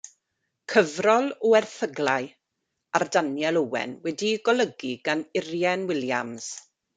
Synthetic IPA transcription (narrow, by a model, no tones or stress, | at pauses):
kʰəvrɔlˠɔɛrθəɡlˠaɨ | ardanjɛlˠəwɛ̰nwɛdiɡɔlˠəɡiɡanɪrjɛnwɪlja̰mz̥